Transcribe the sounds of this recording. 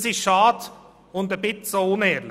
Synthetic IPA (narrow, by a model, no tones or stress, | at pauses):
siʃɑːd̪ | ʊnd̪əbɪt̪soːʊneːɾlɪ